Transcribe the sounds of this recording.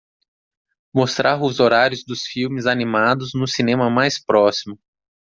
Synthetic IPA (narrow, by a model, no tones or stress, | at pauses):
most̪ɾʔaɾʊzoɾaɾjʊzd̪ʊsfiwmɪzanimad̪ʊznʊsinẽmɐmajspɾɔsimʊ